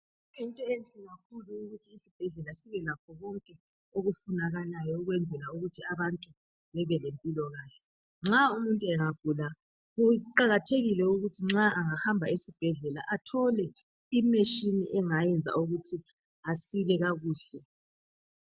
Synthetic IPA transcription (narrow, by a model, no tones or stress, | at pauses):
intʼɔent͡ɬʼiɣakʰuluːɣutʰiːsib̥ʱɛɮɛlasiβɛlakʰɔɣɔŋkʼɛ | oɣufunaɣalajɔuɣwɛnd͡zʱɛlauɣutʰiaβantʼu | βɛβɛlempʼilɔɣaːɬɛ̥ | ŋ͡ǁaumuntʼuɛŋaɡ̥ʱula | ɣuǃaɣatʰeɣilɛuɣutʰiŋ͡ǁaaŋahambʱaisib̥ʱɛɮɛla̰ʔatʰɔlɛ | imeʃinḭʔɛŋajɛnd͡zʱa̰uɣutʰi | asiβɛɣaɣuːɬɛ